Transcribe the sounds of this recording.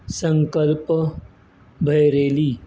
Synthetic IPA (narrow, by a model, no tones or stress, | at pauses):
sə̃ŋkəlp | bʱɐjɾeːliː